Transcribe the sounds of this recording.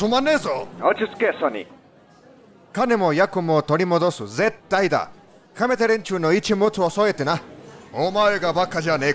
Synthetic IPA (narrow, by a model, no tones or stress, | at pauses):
sumanezɔɔt͡ʃʰiskesɔnḭ | kʰanemojakumot̪oɽimod̪osuzet̪ːajd̪a̰ | kʰamet̪eɾent͡ʃʰunoit͡ʃʰimot͡s̪ʰuɔsɔjet̪ːenaomaeɡabakʰːad͡ʑane